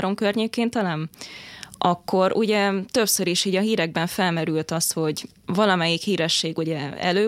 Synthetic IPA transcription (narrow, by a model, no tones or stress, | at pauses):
ɾo̞mkørɲeːkeːnt̪ɛlɛm | ʔɒkːo̞ɾṵɟɛt̪ø̞psøɾiʃiːɟɒɦiːɾɛɡ̚bɛɱfɛlmɛɾylt̪ɒst̪ho̞ɟ | vɒlɒmɛjikhiːɾɛʃːeːɡuɟɛɛ̰løː